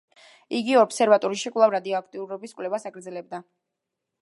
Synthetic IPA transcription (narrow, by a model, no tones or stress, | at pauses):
iɡiɔpsɛɾvat̪ʼɔɾiʃikʼlˠavɾad̪iɔakʰt̪ʼiuɾɔbiskʼwlɛvasaɡɾd̪zɛlɛb̚d̪a